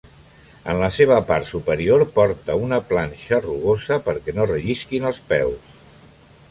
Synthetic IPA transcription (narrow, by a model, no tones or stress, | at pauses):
ə̰nləseβ̞əpaɾt̪supəɾioɾpɔɾt̪əunəplanʲʃəruɣozəpəɾkɛnorəʒiskinəlˠspɛws